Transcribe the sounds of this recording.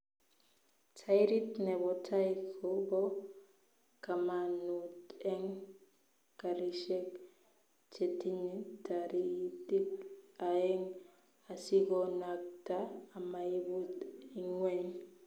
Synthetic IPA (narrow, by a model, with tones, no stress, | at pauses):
tʰa˦jɾi˦tnɛ˨bɔ˨tʰa˦i˦kʰobɔ˦ | ka˨ma˨nu˨tɛ˦ŋ | ka˨ɾi˨ʃɛ˦k | t͡ʃe˨ti˦ɲi˦ta˨ɾi˦di˦ta˨ɛ˦ŋ | a˨si˦ɡɔ˦na˨k̚taː˦˨ma˨i˦bu˦ti˨ŋwe˦n